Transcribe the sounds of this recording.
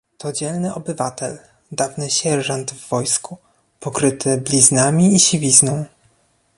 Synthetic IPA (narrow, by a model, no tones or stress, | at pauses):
t̪ɔd͡ʑɛlnɘʔɔbɘvat̪ʰɛ̰l | d̪avnɘɕɛʐand̪vːɔjsku | pɔkɾɘt̪ʰɘblʲiznamʲiːɕivʲiznɔ̃w̃